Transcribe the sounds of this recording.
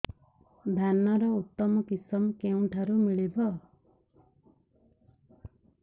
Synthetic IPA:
d̪ʱanɔɾɔut̪ːɔmɔkisɔmkew̃ʈʰaɾumiɭibʱɔ

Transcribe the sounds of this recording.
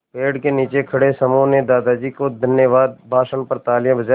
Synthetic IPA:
peːɖkeniːt͡ʃekʰɐɽesəmõːned̪aːd̪ad͡ʒiːkod̪ʱənjəʋaːd̪bʱaːʃənpɐɾt̪aːljãbʱəd͡ʒaː

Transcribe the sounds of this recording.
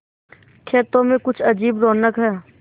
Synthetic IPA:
kʰeːt̪õmẽkʊt͡ʃʰɐd͡ʒiːbɾoːnəkɦɛː

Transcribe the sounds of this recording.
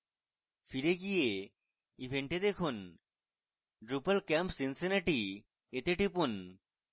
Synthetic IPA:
fiɾeɡije | ibʱeɳʈed̪ekʰun | ɖɾupɐlkɛmpsinseneʈi | et̪eʈipun

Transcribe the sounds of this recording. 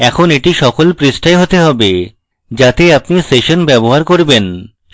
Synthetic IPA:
ɛkʰoneʈiʃɔkolpɾisʈaeɦot̪eɦɔbe | d͡ʑat̪eapniseʃonbɛboɦaɾkoɾben

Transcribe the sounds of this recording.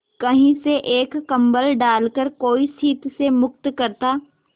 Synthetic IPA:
kɐɦĩseʔeːkːɐ̃mbəlɖaːlkəɾkoːisiːt̪semʊk̚t̪kɐɾt̪aː

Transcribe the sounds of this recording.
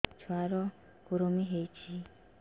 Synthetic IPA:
t͡ʃwaɾo | kuɾomiɦeci

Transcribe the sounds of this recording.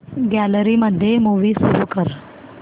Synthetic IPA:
ɡæləɾiməd̪ʱjemuʋisuɾukəɾ

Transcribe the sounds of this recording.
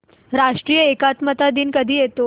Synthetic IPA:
ɾaʂʈɾiːjəekat̪mət̪ad̪iːnkəd̪ʱiːjet̪o

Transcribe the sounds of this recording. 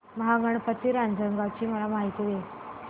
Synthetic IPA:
məɦaɡəɳpət̪ːiːɾand͡zəŋɡaʋt͡ɕiːm̤əlamaɦit̪iʋe

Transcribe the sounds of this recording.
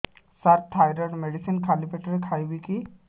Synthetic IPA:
saɾt̪ʰːajɾəɖmeɽisinkʰalipeʈəɾekʰajwiki

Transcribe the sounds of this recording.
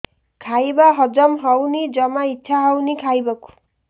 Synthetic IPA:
kʰajbaɦʌd͡zʌmɦʌwnid͡zʌmaitːʃʰaɦʌwnikʰajbaku̥

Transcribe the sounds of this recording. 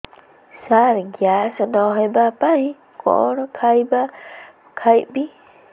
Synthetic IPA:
saɾɡjasanɔɦebapaj̃ | kɔ̰ʔɾɔkʰajba | kʰajbi

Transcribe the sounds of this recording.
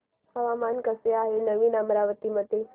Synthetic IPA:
həʋamankəseaɦenəʋinamɾaʋət̪imət̪e

